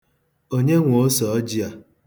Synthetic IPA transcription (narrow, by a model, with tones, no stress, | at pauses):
o˦ɲe˦ŋʷo˨˦sɔ˨ɔ˦d͡ʒi˦a˨